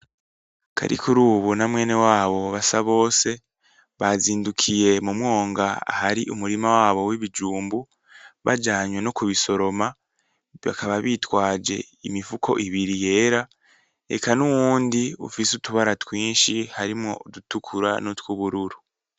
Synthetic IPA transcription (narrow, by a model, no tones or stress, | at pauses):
kʰa̰ɾḭkuɾuːβunamwe̞ːne̞waːβo̞βasaβo̞ːse̞ | βaziːndukʰije̞mumŋo̞ːŋɡaa̰haɾiʔumuɾimawaːβo̞wiβid͡ʒuːmbu | βa̰d͡ʒaːɲwe̞no̞kuβiso̞ɾo̞ma | βa̰kaβaβiːtwaːd͡ʒe̞̰ | imifukʰo̞̰ʔiβiɾije̞ːɾa | e̞̰kʰanuwuːndiṵfisutuβaɾatwiːnʃihaɾimŋo̞̰dutukʰuɾa̰notwuβuɾuɾu